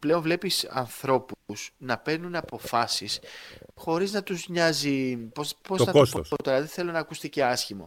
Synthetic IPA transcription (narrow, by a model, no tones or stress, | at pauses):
ple̞onvle̞pisɐ̰nθɾo̞pusnɐpe̞ɾnunɐpo̞fɐsisxo̞ɾiznɐt̪uzɲɐzipopozoɐt̪ospot̪eɾɐðeθe̞lo̞nɐːkust̪iceɐsçimo̞̰